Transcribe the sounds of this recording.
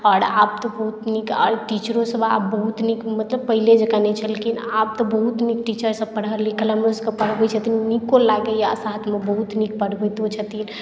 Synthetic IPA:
ɔɾa̰b̚t̪ɔbəɦut̪nikɔ̰ɾʈit͡ʃɾõsəbabəɦut̪nikmət̪ləb̚pəɦiled͡ʒekanɛt͡ʃʰəlekinap̚t̪ɔbəɦut̪nikʈit͡ʃəɾsəbpəɽ̤əlikʰəlameoskepəɽ̤bɛt͡ʃʰət̪innikolaɡəjasat̪ʰmebəɦut̪nik̚pəɽ̤bɛt̪ot͡ʃʰət̪in

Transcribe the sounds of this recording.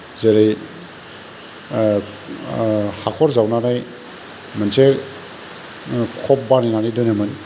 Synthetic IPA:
zeɾej | hakʰɔɾzawnanaj | mɯnse | kʰɔp̚baninanijdɔnemɯn

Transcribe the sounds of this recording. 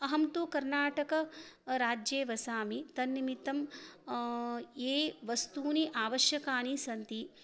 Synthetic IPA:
ɐɦɐmt̪ukɐɾnaːʈɐkɐɾaːd͡ʒjeːʋɐsaːmit̪ɐnːimit̪ɐm | eːʋɐst̪uːniʔaːʋɐʃjɐkaːnisɐnt̪i

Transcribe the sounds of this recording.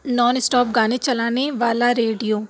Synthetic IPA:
nɔːnɪsʈɔːp̚ɡaːnet͡ʃɐlaːneʋaːlaɾeːɖijoː

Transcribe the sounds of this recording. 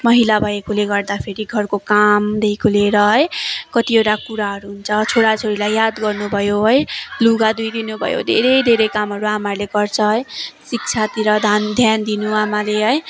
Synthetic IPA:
mʌɦilabʱʌekoleɡʌrd̪apʰeɾiɡʱʌrkokamd̪ejkʰoleɾʌɦʌjkʌt̪iewʈakuɾaɦʌɾuɦunt͡sʰʌt͡sʰoɽat͡sʰoɾilajːad̪ɡʌrnubʱʌjoɦʌjluɡad̪ujd̪inubʱʌ̰jo̰d̪ʱeɾʌjd̪ʱeɾʌjkamɦʌɾuamaleɡʌrt͡sʰʌɦʌjsik̚t͡sʰat̪iɾʌd̪ʱand̪ʱjand̪inuamaleɦʌj

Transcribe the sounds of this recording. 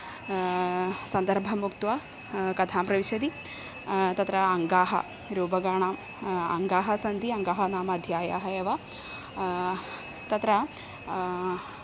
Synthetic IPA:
sɐnd̪ɐɾbʱɐmukt̪ʋɐ | kɐt̪ʰaːmpɾɐʋiʃɐd̪i | t̪ɐt̪ɾɐɐŋɡaːɦɐ̰ | ɾuːbɐɡaːɳaːm | ɐ̰ŋɡaːɦɐsɐnd̪iɐŋɡaːɦɐnaːmɐɐd̪ʱjaːja̰ːɦɐjɐʋɐ | t̪ɐt̪ɾɐ

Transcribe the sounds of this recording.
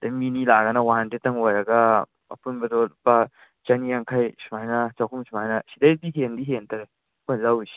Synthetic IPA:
dɐjminilaɡɐnɐwandetːɐŋojɾɐɡɐ | ɐ̰punbɐdɔpa | t͡ʃanijaŋkʰajsumajnɐt͡ʃawkʰumsumajnɐsidajdiɦendiɦentɐɾe | ojlɐwisi̥

